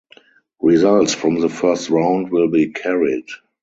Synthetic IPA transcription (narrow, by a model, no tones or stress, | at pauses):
ɹizaltsfɹɔ̃mðəfɜ˞stɹãʊ̃ndwɪlbiːkʰɛɹid